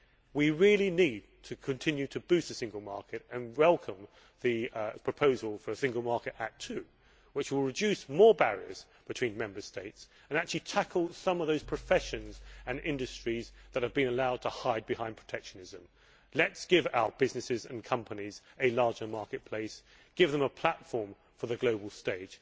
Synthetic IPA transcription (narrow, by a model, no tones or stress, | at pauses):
wiɹɪlˠinid̚tʰɨkʰɨ̃ntʰɪ̃njʉɾʰɨbʉstɨsɪ̃ŋɡl̩ˠmɑ̰ɹkɨɾɨ̃nwɛlˠkʰə̃m | ðɨpʰɹ̥əpʰoʊzəl̩ˠfə˞sɪ̃ŋɡəl̩ˠmɑɹkɨɾæ̰tʰʉ | wɨt͡ʃwɪlˠɹɨdʉsmɔɹbæɹiə̰˞z̥ | b̥ɨtʰw̥ĩnmɛ̃mbə˞steɪts | ə̃næk̚t͡ʃʉl̩ˠitʰækʰəl̩ˠsʌ̃mʌvðoʊz̥pʰɹ̥ɨfɛʃɨ̃nzɨ̃nɪ̃ndɨstɹ̥izðɨt̚hɨvbɨ̃nəlaʊd̚tʰəhaɪd̚bɨhãɪ̃npʰɹ̥ə̥tʰɛkʃɨnɪzɨ̃m | lɨtsɡ̥ɪva̰ʊəb̥ɪznɨsɪzɨ̰̃nkʰʌ̃mpənizɨlɑɹd͡ʒə˞mɑɹkɨt̚pʰl̥eɪs | ɡ̥ɪvðə̃məpʰl̥ætfɔɹɱ | fə˞ðɨɡloʊbl̩ˠsteɪ̥ʒ̥